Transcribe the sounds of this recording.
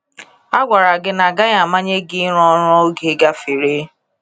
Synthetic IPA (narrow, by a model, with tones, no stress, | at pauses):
a˦ɡʷa˨ɾa˨ɡɪ˦na˨ɡa˦ɲa˨ma˦ɲe˦ɡɪ˦ɾɔ˦ɾɔ˦o˦ɡe˨˦ɡa˦fi˨ɾe˦